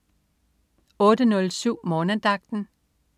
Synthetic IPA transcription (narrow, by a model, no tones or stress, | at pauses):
ɔ̽ːdənɔ̽lsyʊ̰mɔ̽ːnəd̥ɑ̈ɡ̥̚d̥n̩